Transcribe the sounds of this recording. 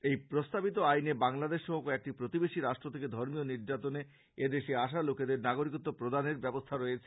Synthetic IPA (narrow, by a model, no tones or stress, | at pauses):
ejpɾost̪abit̪oajnebaŋlad̪eʃɔɦokoek̚ʈipɾot̪ibeʃiɾaʃʈɾot̪ʰeked̪ʱɔɾmioniɾd͡ʑat̪one | ed̪eʃeaʃ̬aloked̪eɾnaɡoɾikɔt̪ːopɾod̪aneɾbɛbost̪ʰaɾojet͡ɕʰe